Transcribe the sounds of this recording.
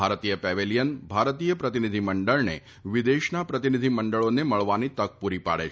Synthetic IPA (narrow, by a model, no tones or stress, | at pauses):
aɾt̪ijəpɛʋelijənbʱaɾt̪ijəpɾət̪inid̪ʱiməɳɖəɭnḛ | ʋid̪eʃnapɾət̪inid̪ʱiməɳɖəɭoneməɭʋanit̪əɡ̚puɾipa̰ɽḛ